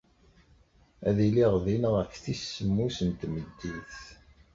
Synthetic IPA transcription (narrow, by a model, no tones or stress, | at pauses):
æðiliʁðinəʁækːθisːəmːusənt̪məd̪ːiθ